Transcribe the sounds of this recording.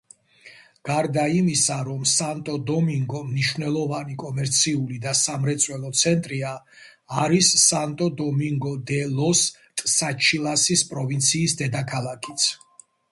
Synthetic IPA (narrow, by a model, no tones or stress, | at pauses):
ɡ̥aɾd̪aimisaɾɔmsant̪ʼɔd̪ɔmiŋɡɔmniʃwvnɛlˠɔvanikʼɔmɛɾt̪sʰiulid̪asamɾɛt̪sʼwɛlˠɔt̪sʰɛnt̪ʼɾiaː | ɾisːant̪ʼɔd̪ɔmiŋɡɔd̪ɛlɔs | t̪ʼsat͡ʃʰilˠasispʼɾɔvint̪sʰiːsd̪ɛd̪akʰalˠakʰit̪sʰ